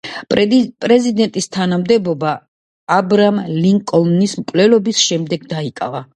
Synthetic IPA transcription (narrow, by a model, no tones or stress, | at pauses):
pʼɾɛzid̪ɛnt̪ʼist̪ʰanamd̪ɛbɔbaː | bɾamliŋkʼɔlnismkʼvlɛlɔbisʃɛmd̪ɛɡ̚d̪aikʼa̰va